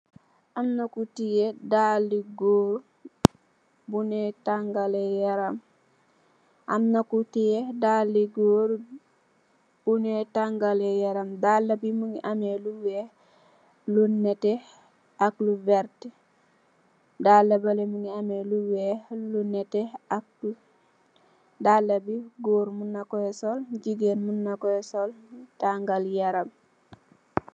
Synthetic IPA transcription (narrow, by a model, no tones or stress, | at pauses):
ʔamnɐkutijedaliɡoːɾ | bunɛtaŋɡalɛjaɾam | ʔamnɐkutijedaliɡoɾ | b̥unɛtaŋɡalejaɾamdalːɐbimuŋiʔameluwɛ | lunɛtɛ | akluvɛɾt | dalːɐbalemuŋɡiameluwelunɛtɛak̚u | dalːɐbiɡoːɾmunːakɔjɛsolɟiɡenmunːakɔɛsoltaŋɡaljaɾam